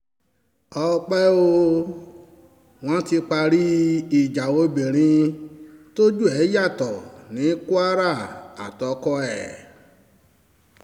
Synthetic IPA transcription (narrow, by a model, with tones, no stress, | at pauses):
ɔ˧k͡pɛ˦o˧ | w̃ɔ̃˦ti˧k͡pa˧ɾi˦i˦˨d͡ʒa˨wo˧˦be˨ɾ̃ĩ˧ | to˦d͡ʒu˦˨ɛ˨˦ja˦˨tɔ˨nĩ˨˦ku˦a˦ɾa˦˨a̰˨tɔ˨˦kɔ˦ɛ˦˨